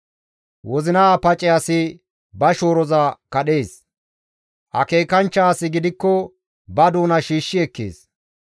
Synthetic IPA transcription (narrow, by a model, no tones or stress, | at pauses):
wɔzɪnɐːpɐt͡ʃʼɛɐsɪ | bɐʃo̞ːɾɔzɐkɐɗeːs | ʔɐ̰ke̞ːkɐnt͡ʃːaːsɪɡɪd̪ɪkːɔ | bɐd̪uːnɐʃiːʃːɪɛkːḛːs